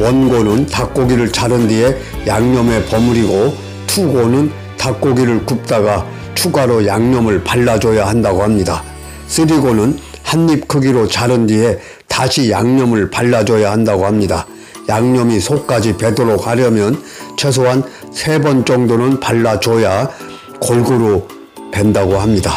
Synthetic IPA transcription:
wʌnɡonɯntak͈oɡiɾɯɭt͡ɕʰaɾɯndie̞ | jaŋɲʌme̞pʌmuɾiɡo | tʰuɡonɯn | tak͈oɡiɾɯɭkɯp̚t͈aɡa | t͡ɕʰuɡaɾojaŋɲʌmɯɭpaɭːad͡ʑʌjahandaɡohamɲida | s͈ɯɾiɡonɯnhanːip̚kʰɯɡiɾot͡ɕaɾɯndie̞ | taɕʰijaŋɲʌmɯɭpaɭːad͡ʑʌjahandaɡohamɲida | jaŋɲʌmisʰokk͈ad͡ʑipe̞doɾok̚haɾjʌmjʌn | t͡ɕʰwe̞s̬ʰoɦan | sʰe̞bʌnt͡ɕ͈ʌŋdonɯnpaɭːad͡ʑʌja | kʌɭɡɯɾo | pwe̞ndaɡohamɲida

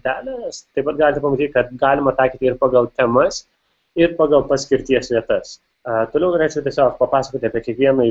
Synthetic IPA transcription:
d̪aːlɐst̪epɐt̪̚ɡaːlʲt̪ʰɐpɐmit̪ʰikʰɐt̪̚ɡaːlmɐt̪aːkʰit̪iɾpɐɡɐwt̪ʰɐmɐs | iɾpɐɡɐwpɐskiɾt̪ijɐsʋʲjɐt̪ɐs | t̪uloɡɾɐt͡ʃʰkut̪esɐːfpɐpaːskut̪ʰepʲekʰikijɐmɐ

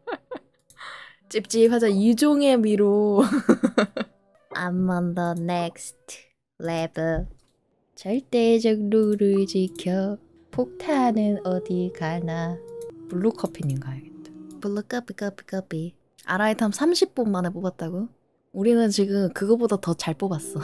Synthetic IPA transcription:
t͡ɕ͈ip̚t͡ɕ͈ipʰad͡ʑajud͡ʑoŋe̞miɾo | a̰mːʌndʌnek̚stʰ | lebɯɭ | t͡ɕʌɭt͈ed͡ʑʌk̚nuɾɯt͡ɕikʰjʌ | pʰok̚tʰaɦanɯnʌdikaɭnapuɭːokʰʌpʰininɡaɡett͈ḁpuɭːʌk͈ʌpik͈ʌpik͈ʌp͈i | a̰ɾaitʰamsʰamɕʰip̚p͈unmanepobat̚t͈aɡo | uɾinɯnt͡ɕiɡɯmkɯɡʌbodatʌt͡ɕaɭp͈obas͈ʌ

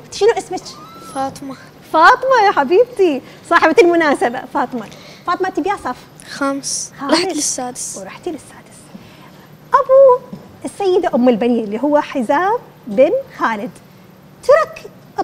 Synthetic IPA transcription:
t̪ḁʃɪnuʔɪsmɪt͡ʃ | fɑːt̪ˤmɑ | fɑːt̪ˤɨmɑjaħabiːbt̪i | sˤɑːħɪbaalmʊnaːsaba̰fɑːt̪ˤɨmɑfɑːt̪ˤɨmat̪ibjaːsˤɑːf | xamsxaːɾˤɑħlɪsːaːd̪ɪ̥swɾɑħt̪ilɪsːaːd̪ɪ̥s | ʔabuʔɪsːajːɪd̪aʔʊmːɪlbaniːlːiːɦʊwːaħɪzaːbː | ɪnxaːlɪd̪ | t̪ɑɾˤɑk | ʔ

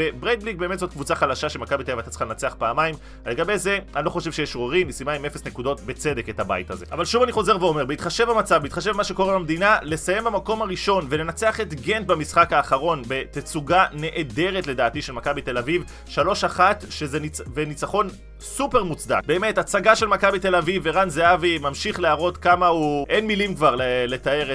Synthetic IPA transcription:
ebʁed̪̚bliɡ̚beːmet̪zo̞tkvut͡saχalaʃaʃelmakabit̪elavat̪at͡si̥χalenat͡seaχpaːmajm | le̞ɡabe̞jze̞anilo̞χo̞ʃe̞vʃejɛʃʁoʁimisimaimefesnekudo̞tbe̞t͡se̞dekethaba̰jitaze̞̰ʔavalʃuvaniχo̞ze̞ʁveo̞me̞ʁbeit̪χaʃe̞vamat͡savbeit̪χaʃ̬evmaʃe̞ko̞ʁebamd̪inale̞saje̞mbamako̞maʁiʃo̞nvele̞nat͡se̞aχet̪ɡe̞nt̚bamisχakaːχaʁo̞nbe̞t̪et͡suɡane̞ʔede̞ʁetle̞daːt̪iʃelmakabit̪elaviv | ʃalo̞ʃaχat̪ʃezenivenit͡saχo̞n | supe̞ʁmut͡sd̪a̰kbe̞ːme̞tat͡saɡaʃe̞lmakabit̪e̞laviveʁanzeavimamʃiχleaʁo̞t̪kamahuʔe̞nmilimkvaʁlele̞t̪aeʁe

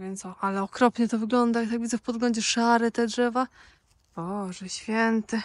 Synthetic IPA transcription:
vʲjɛnt̪sɔalɛɔkɾɔpɲɛt̪ɔvɘɡlɔnd̪ajakt̪aɡvʲidzɛfpɔd̪ɡlɔɲd͡ʑɛʂaɾɛt̪ɛdʐɛva | b̥ɔʐɛɕfʲjɛnt̪ɛ

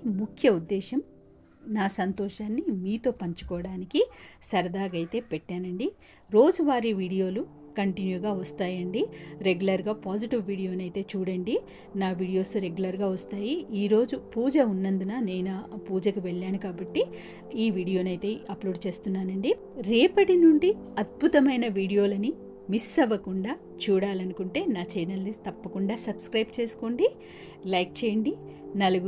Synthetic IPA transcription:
mukʰjɐud̪ːɛːʃɐm | naːsɐnt̪ɔːʃaːnːimiːt̪o̞ːpɐɲt͡ʃu̥kɔːʋɐɽaːnikisɐɾɐd̪aːɡɐjt̪e̞ːpɛʈːaːnɐɳɖi | ɾo̞ːd͡ʒuʋaːɾiʋiːɽijo̞ːlukɐɳʈinjuːɡaːʋɐst̪aːjɐɳɖiɾe̞ɡjulɐɾɡaːpaːd͡ʒiʈiʋːiːɽijo̞ːnɐjt̪e̞ːt͡ʃuːɽɐɳɖi | naːʋiːɽijo̞ːsɾe̞ɡjulɐɾɡaːʋɐst̪aːjiiːɾo̞ːd͡ʒupuːd͡ʒɐunːɐnd̪unaːne̞ːnɐpuːd͡ʒɐkuʋeɭːaːnukaːbɐʈːi | iːʋiːɽijo̞ːnɐjt̪e̞ːɐploːɖt͡ʃe̞ːst̪unːaːnɐɳɖi | ɾɛːpɐʈinuɳɖi | ɐd̪̚bʱut̪ɐmɐjnɐʋiːɽijo̞ːlɐni | misːɐʋɐkuɳɖaː | t͡ʃuːɽaːlɐnukuɳʈe̞ːnaːt͡ʃɛːnɐlnit̪ɐpːɐkuɳɖaːsɐbskɾɐjbt͡ʃe̞ːsu̥koːɳɖi | lɐjk̚t͡ʃeːjɐɳɖi | nɐluɡu

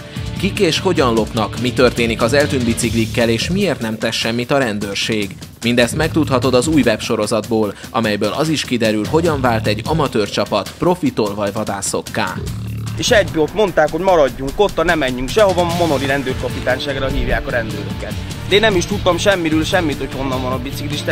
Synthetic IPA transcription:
kikeːʃho̞ɟɒnlo̞pnɒkmit̪ø̞rt̪eːnikɒzɛlt̪ynbit̪siklikːɛleːʃmieːrt̪nɛmt̪ɛsʃɛmːit̪ɒɾɛnd̪øːrʃeːɡ | mind̪ɛst̪mɛk̚t̪ut̪hɒt̪o̞d̪ɒzuːjvɛpʃo̞ɾo̞zɒd̪boːlʔɒ̰mɛjbøːlɒziʃkid̪ɛɾylɦo̞ɟɒɱvaːlt̪ɛɟːɒmɒt̪øːrt͡ʃɒpɒt̪pro̞fit̪olvɒɟvɒd̪aːso̞̰kːa̰ːeːʃɛɟbot̪mo̞nt̪aːkho̞ɟmɒɾɒɟːuŋko̞t̪ːɒnɛmɛɲːyŋkʃɛho̞vɒmo̞noliɾɛnd̪øːrkɒpit̪aːnʃaːɡɾɒɦiːvjaːkɒɾɛnd̪øːɾøkɛt̪ | d̪ɛeːnːɛmiʃt̪ut̪ːɒmʃɛmːiɾyːlʃɛmːit̪ocho̞nːɒɱvɒnɒbit̪sikliʃt̪

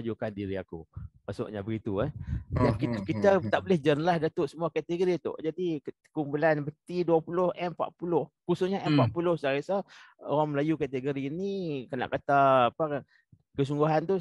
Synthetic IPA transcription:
ad͡ʒukandiɾia̰kṵmasʊ̰ʔɲabəɡit̪uɛjakikit̪at̪aʔbolɪhd͡ʒənəlahdat̪ʊʔsəmuakat̪əɡoɾit̪ʊ̰ʔd͡ʒadi | kumpulanbət̪iduapulʊhʔɛmpa̰ʔpulʊhkusʊsɲaʔɛmpaʔpulʊhsaɣasaoɾaŋməlajukat̪əɡoɾiːnikəna̰ʔkat̪aːpakan | kəs̬uŋɡuɦant̪u

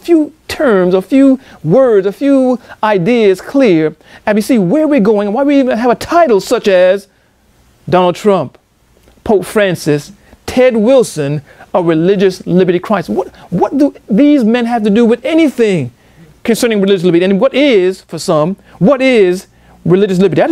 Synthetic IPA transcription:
əfjutʰɜ̃˞mzəfjuwɜ˞dzɨfjuaɪdiɨz̥kʰl̥ɪɹ | ɨbisiwə˞wiɹɡoʊɪ̃ŋə̃nwaɪwiiṽnɨːvɨtʰaɪɾl̩ˠsʌt͡ʃɨz | dɑnl̩ˠd̚tʰɹ̥ʌ̃mp | pʰoʊpfɹæ̃nsɨs | tʰɛd̚wɪlˠsɨ̃nəɹɨlɪd͡ʒɨslɪbə˞ɾikʰɹ̥aɪswʌt̚wʌt̪̚d̥ɨðizmɛ̃nɦɨftɨdɨwɨðɛniθɪ̃ŋ | kɨ̃nsɜ̃˞nɪ̃ŋɹɨlɪd͡ʒɨs̬lɪbəɾiɨ̃nwʌɾɪz̥fə˞sʌ̃m | wʌɾɪz | ɹɨlɪd͡ʒɨs̬lɪbə˞ɾiaɪ

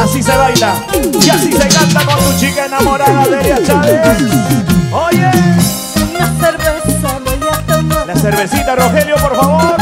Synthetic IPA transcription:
asiseβajla | jasiseɣant̪akonsut͡ʃikaenamo̞ɾaðaðeɾjasaβes | oʝe | aseɾβesaðojat̪alaseɾβe̞sit̪aro̞xeljo̞po̞ɾfaβoɾ

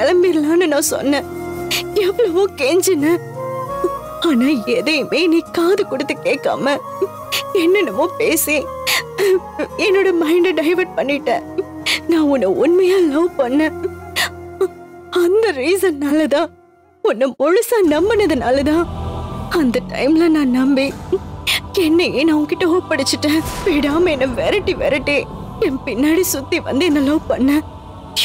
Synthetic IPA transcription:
ɐlɐmbiɾlaːnɯnãːsɔ̰nːɛ̃ | ɛʋɐɭɐʋõːkɛɲd͡ʒɐnːɐ | aːnaːɛðɐjɐmeːnĩːkaːðɯkʊɽɯt̪ːɯkeːkːa̰ːmɐ | ɛnːɐnɐmːõːpeːsẽː | ɛnːoːɽɐmɐɪɳɖɐɖɐɪʋɐʈ̚pɐɳːɪʈːẽː | nãːʊnːɯʊnmɐjaːlɐʋpɐɳːɛ̃ː | ɐnd̪ɐɾiːsɐnnaːlɐt̪ãː | ʊnːɐmɔɻʊsaːnɐmbɐnɐðɐnaːlɐt̪ãː | ɐnd̪ɐʈɐ̰ɪmlɐnãːnɐmbi | ɛnːɐenɐʋʊŋɡkɪʈːɐɦoːpɐɽɯt͡ʃːɯʈːẽːʋeːɽaːmɐɛnːɐʋɛɾɐʈːiʋɛ̰ɾɪʈːi | ɛnpɪnːaːɽisʊt̪ːiʋɐ̰nd̪ɯɛnːɐlɐʋpɐɳːɛ̃

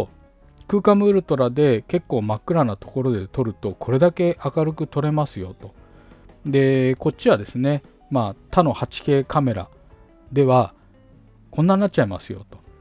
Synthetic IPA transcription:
kɯ̟ːkamɯ̟ːɾɯ̟t̪o̞ɾad̪e̞ke̞kːo̞ːmakːɯ̟ɾanat̪o̞̥ko̞ɾo̞d̪e̞t̪o̞ɾɯ̟t̪o̞kʰo̞ɾe̞d̪ake̞ʔakaɾɯ̟kɯ̟t̪o̞ɾe̞masɨjo̞̰t̪o̞ | d̪e̞ko̞t͡ɕːiβad̪e̞sɨne̞ | maːt̪ano̞hat͡ɕi̥he̞ːkʰame̞ɾa̰ | d̪e̞βa | kõnːãnːat̚t͡ɕaimasɨjo̞̰t̪o̞̥

